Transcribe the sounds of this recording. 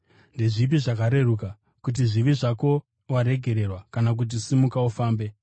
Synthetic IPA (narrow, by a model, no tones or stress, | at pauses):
ndeʐip̬iʐakaɾe̞ruka | kut̬iʐiʋiʐako̞ | waɾe̞ɡʱe̞ɾe̞rwakanak̬ut̬isimukaufaːmbe̞